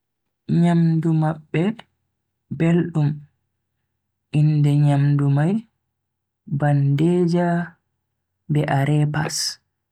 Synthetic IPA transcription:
ɲamdumaɓːɛ | belɗum | ʔindɛɲamdumaj | bandeːd͡ʒa | bɛʔaɾɛpa̰s

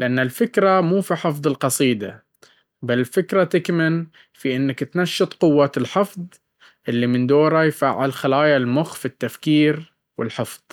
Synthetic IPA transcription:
lɪʔanːalfɪkɾˤamuːfiħɨfðˤɨlqɑsˤiːd̪a | balɪlfɪkɾˤat̪ɪkmɪn | fiʔɪnːakt̪naʃːɨt̪ˤqʊwːaːt̪ɪlħɪfðˤ | ʔɪlːimɪnd̪oːɾˤajfaːʕɪlxalaːjalmʊxfit̪ːafkiːɾ | wɪ̰lħɪfðˤ

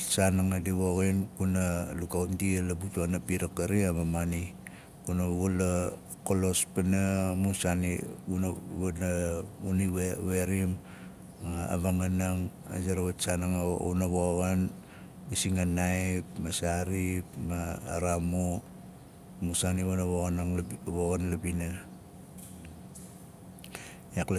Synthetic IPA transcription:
sanaŋadiβoɣinkunalukaundialabutuanapiɾakaɾiaβamani | kunaβula | kolo̞spanamusaniunβnaunieweɾim | aa̰βaŋanaŋ | a̰zaɾaβat͡ʃanaŋunaβoɣan | isiŋanajpmasaɾipma̰ːɾamu | musaniβanaβoɣanaŋβoɣanlabina | jakl

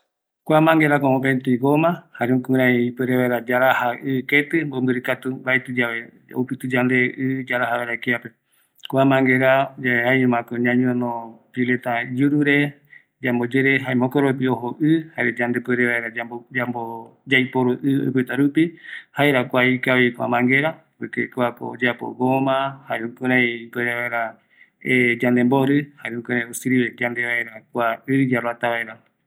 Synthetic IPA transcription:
kʷamãŋɡeɾakõõpent̪iɡomãhaɾeõkũɾãipeɾeβaeɾad͡ʒaɾahaʔɨket̪ɨmbombɨɾɨkat̪ubaet̪ɨd͡ʒaβe | o̰pɨt̪ɨd͡ʒand̪eʔɨd͡ʒaɾahaβeɾakiape̞ | kʷamãŋɡeɾad͡ʒaeajũmãkoɲãɲũnõpilet̪ad͡ʒuɾuɾe | d͡ʒambod͡ʒeɾeɦaemõkoɾop̬iohoʔɨhaɾed͡ʒand̪epeɾeβaeɾad͡ʒabod͡ʒambod͡ʒajpoɾoʔɨo̰jpɨt̪aɾupihaeɾakʷaikaβikʷa̰mãŋɡeɾa | bkɨkuako̰od͡ʒapo̰ɡomãhaɾeũkoɾãĩpweɾeβaeɾa | ed͡ʒand̪emboɾɨhaɾeũkõɾãj̃osiɾiβed͡ʒand̪eβaeɾak̚ʷaɨɾɨd͡ʒaɾwat̪aβaeɾa

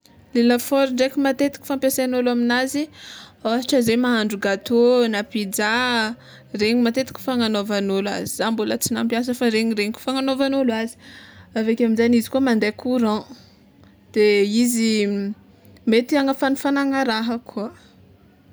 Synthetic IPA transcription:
lelafoɾiɳɖ͡ʐekʲimat̪et̪i̥kʲi̥fãmpjasanolaminazioɦaʈ͡ʂəzemaɦaɳɖ͡ʐuɡat̪onapid͡za | reɲimat̪et̪i̥kʲi̥faŋanovanola̰zizambulət͡sina̰mpjas̬əfaɾeɲiɾeɲikʲu̥faŋanovanolazi̥avekʲaminzanizi̥kuəmand̪ekʰuɾã | d̪̥eizi | met̪iaŋəfanufanaŋaɾaɦəkʰuə

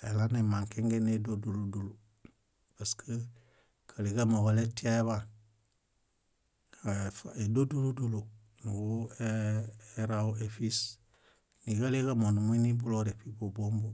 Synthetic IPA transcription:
elanemaŋkeŋɡenedoduludulu | paskə | kʰaliɡamawaletiaeβa | faedoduludulu | nuɡueeɾawuefis | niɡaleɡamonumunibuloɾefibobombu

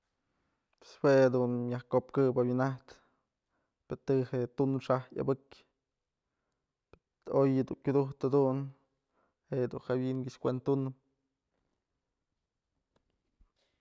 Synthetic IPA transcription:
pe̥swehad̪unjahkopkɨbabwinaht̪ | pet̪ɨhet̪unʂaha̰bɨkʲ | pe | ojɨd̪uŋkʲud̪uht̪ad̪un | heʔd̪unhawiʔŋɡɨʃkʷent̪unɨ

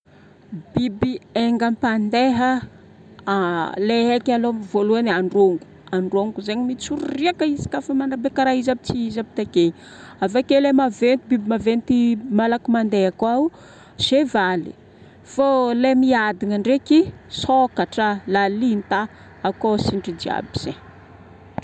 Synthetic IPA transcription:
bibieŋɡampand̪eɦə | leɦekalomvoluanaɳɖ͡ʐoŋɡu̥ | aɳɖ͡ʐoŋɡuzeɲimit͡suɾuriakəizi̥kafəmanabekaɾaizabit͡siizabi̥t̪akeɲi | avakelemavent̪ibibimavent̪imalakimand̪eakau | z̥evalḭ | folemiad̪iŋəɳɖ͡ʐekisokaʈ͡ʂəlalint̪a | akosiɳɖ͡ʐid͡ʒia̰biz̥eɲ

